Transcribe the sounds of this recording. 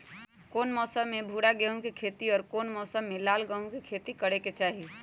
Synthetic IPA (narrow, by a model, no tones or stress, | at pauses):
koːnmɔːsəmːebʱuɽaɡeɦũkekʰet̪iɔːɾkoːnmɔːsəmːelaːlɡəɦũkekʰet̪ikəɽeket͡ʃaːɦi